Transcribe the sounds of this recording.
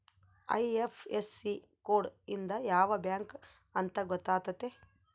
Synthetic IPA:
ɐ̰jepʰesi | koːɖind̪ɐjaːʋɐbjaːŋk | ɐnt̪ɐɡɔt̪ːaːt̪ɐt̪ːe

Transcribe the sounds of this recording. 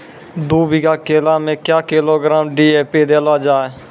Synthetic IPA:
d̪uːbiːkaːkeːlaːmẽːkjaːkeːloːɡɾaːmɖiːeːpeːd̪eːlaːd͡ʒaːe

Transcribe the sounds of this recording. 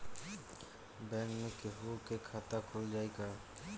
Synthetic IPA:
bɛŋmikeɦukekʰat̪akʰold͡ʒajkaɹ

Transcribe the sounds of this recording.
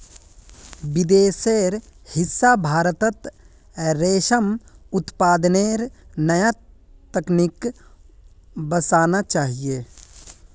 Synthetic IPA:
ʋɪd̪eːseːɾhɪsːabʱaːɾət̪ət̪ | ɾeːʃəmʊt̪paːd̪neːɾnɐjat̪ɐknɪk | bəsaːnat͡ʃaːɦijeː

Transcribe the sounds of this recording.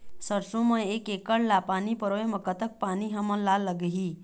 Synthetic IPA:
səɾsõmə̃eːkeːkəɽlapaːnipəɾoːemɐ̃kət̪ək̚paːniɦəmə̃laːlːəɡɦi

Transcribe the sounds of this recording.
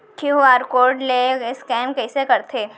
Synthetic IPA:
ʈʰuaːɾkoːɾɖleskɛːmkɛːsekɐɾt̪ʰeː

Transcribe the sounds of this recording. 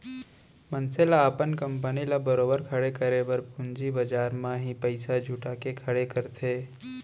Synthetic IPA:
mɐnselaːpənkɐ̃mpənilabɐɾoːbəɾkʰɐɽekəɾebɐɾpʊnd͡ʒibɐd͡ʒaːɾmãɦĩpɐɪsad͡ʒʱʊʈakekʰɐɽekɐɾt̪ʰeː

